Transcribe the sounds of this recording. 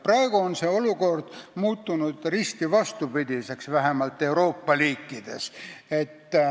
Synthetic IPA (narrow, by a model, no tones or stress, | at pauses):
prɑe̞ɡ̥uonse̞ːo̞luko̞rd̪̥muːt̪ːunud̪̥rist̪ivɑst̪ubid̪̥ʲise̞ksvæɦemɑlt̪ːˑe̞uɾo̞ːpːɑliːkˑːid̪̥e̞se̞t̪ː